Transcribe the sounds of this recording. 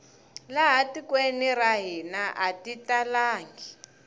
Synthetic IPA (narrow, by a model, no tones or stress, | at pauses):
laɦatikweniɾaɦinaʔatitalaːŋɡi